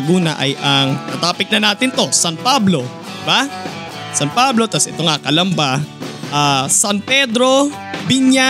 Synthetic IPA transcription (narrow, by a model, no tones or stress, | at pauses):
ɡuːnɐʔɐjʔɐŋnɐt̪aːpɪk̚nɐnaːt̪ɪnt̪o̞sanpablo̞ | d̪ɪba | sɐnpablo̞t̪asʔɛt̪o̞ŋakɐlɐmbaʔaːsanpɛd̪ɾo̞ | biɲja